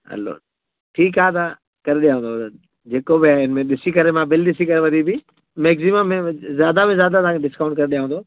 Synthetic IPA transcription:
ɐ̰lo̰ | ʈʰiːk̬aːet̪a | kɐɾeɗijãːʋə̃ːnd̪oʋd̪ə | d͡ʑeːkobɪaːɦeɪnmẽɗɪsikɐɾemãbɪlɗɪsikɐɾeʋɐd̪ʱibɪ | meːksimãmẽzjaːd̪abẽzjaːd̪at̪aãkeɖɪskaːʊ̃ɳʈ̚kɐɾeɗijãʋə̃ːnd̪oː

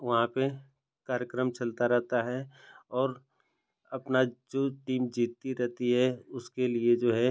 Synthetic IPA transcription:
ʋɐɦãpe | kaːɾjəkɾəmt͡ʃɐlt̪aɾɛɦt̪aɦɛɔːɾ | ɐpnad͡ʒoːʈiːmd͡ʒiːt̪ːiɾɛɦt̪iɦɛʊskelied͡ʒoːɦɛ

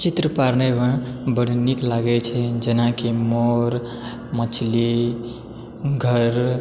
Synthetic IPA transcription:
t͡ʃit̪ɾəpaɾnebãbəɽ̤niklaɡɛt͡ʃʰɛd͡ʒənãkemoɾ | mət͡ʃʰli | ɡʱəɾ

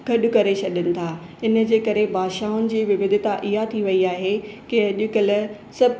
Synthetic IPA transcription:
ɡɐɗʊ̆kɐɾet͡ɕʰɐɗənɪ̆t̪ʰaː | ɪnə̆d͡ʑeːkɐɾebʱaːʃaːʊnɪ̆d͡ʑiːʋɪʋɪd̪ʱɪt̪aʔɪɦat̪ʰiʋɐiaːɦekɪɐʄʊkəl̆ | sɐb

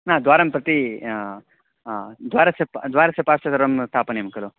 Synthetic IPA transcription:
nãd̪ʋaːɾɐmpɾɐt̪i | d̪ʋaːɾɐsepd̪ʋaːɾɐsepaːɾsɐt̪ɐɾɐmst̪ʰaːpɐnemɐkɐloː

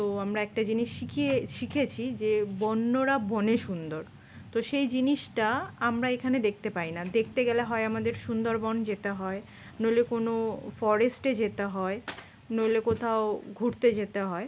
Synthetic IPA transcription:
t̪oamɾaɛk̚ʈad͡ʑiniʃʃikʰieʃikʰet͡ɕʰid͡ʑebɔnːoɾabɔneʃund̪oɾ | t̪oʃejd͡ʑiniʃʈaamɾaekʰaned̪ek̚ʰt̪epainad̪ekʰt̪eɡɛleɦɔeamad̪eɾʃund̪oɾbɔnd͡ʑet̪eɦɔe | nolekonofɔɾesʈed͡ʑet̪eɦɔe | nolekot̪ʰaoɡʱuɾt̪ed͡ʑet̪eɦɔe

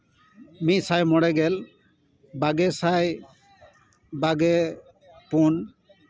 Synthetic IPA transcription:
mit̪̚sajmɔɽɛɡɛl | baɡɛsaj | baɡɛ | pun

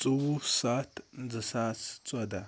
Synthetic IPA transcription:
t͡sʼuwusatnd͡zəsat͡st͡sʼada

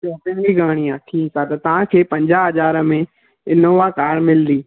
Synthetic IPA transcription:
soːpɪ̃nɡiɡaːɽ̃iãːtʰisʰat̪ɐt̪ɐʋ̤ãkʰeːpɐ̃ɲd͡ʑaɦɐzaːɾə̆mẽ | ɪnoʋakaːɾmɪld̪iː

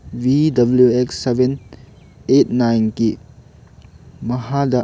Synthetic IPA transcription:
bidɐbljueksːeben | et̚najnki | mɐhadɐ

